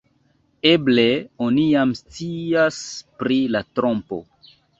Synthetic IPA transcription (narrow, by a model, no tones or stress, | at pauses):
e̞ble̞onijamst͡siaspɾilatɾo̞mpo̞̰